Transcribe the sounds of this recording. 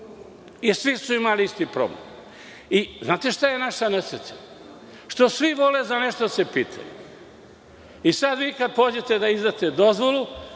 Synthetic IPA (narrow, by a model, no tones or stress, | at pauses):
isʋisuimaliist̪ipɾo̰blḛm | iznaːt̪e̞ʃt̪aje̞naʃanesɾet͡s̪ḁ | ʃt̪osʋiʋo̞lezane̞ʃt̪od̪ase̞piːt̪ʰa̰jṵ | isad̪ʋiːkad̪̚po̞ːd͡ʑet̪ed̪aizd̪at̪e̞d̪o̞zʋolˠu